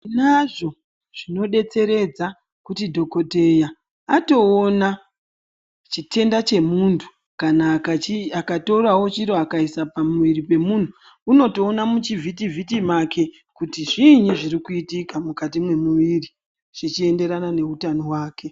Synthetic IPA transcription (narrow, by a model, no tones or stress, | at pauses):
naʐo̞ | ʐ̥ino̞ɗe̞t͡se̞ɾe̞d͡za | kutidʱo̞ko̞te̞ja | ato̞ːna | t͡ʃitʰe̞ndat͡ʃe̞muntʰu̥ | kanakaiakato̞ɾawo̞t͡ʃiɾoakaisapamuʋiɾipe̞mun̤uː | no̞to̞ːnamut͡ʃivʱitivʱitimake̞ | kutiʐiɲiʐirikuitikamukatimwe̞muʋiri | ʐ̥it͡ʃie̞nde̞ɾanane̞utano̞waːke̞